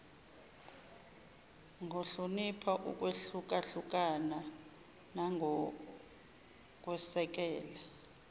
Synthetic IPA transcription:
ŋʱoɬunipʰaʔṵk̬ʼweɬuk̬ʼaɬuk̬ʼana | naŋʱɔ | k̬ʼwɛsɛk̬ɛːla

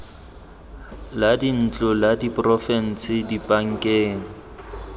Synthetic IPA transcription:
ladin̩t͡ɬʼʊladipʼrɔfɛn̩sɪdipʼaŋ̩kʼeːŋ̩

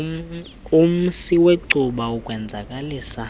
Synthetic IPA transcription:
um̩siweǀuɓaukʼwɛnd͡zʱakʼaliːsa

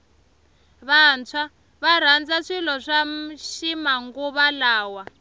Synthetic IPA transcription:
βant͡sʰwa | βaɾ̤and͡zaʂilɔʂamʃimaŋɡuβalaːwa

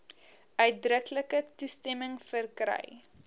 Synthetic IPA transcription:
œɥt̚drəkləkətustɛməŋfərkrɛ̰j

